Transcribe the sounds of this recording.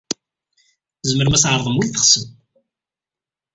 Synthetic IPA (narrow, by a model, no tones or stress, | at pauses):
zməɾmæsʕəɾˤðˤəmwilθəχsəm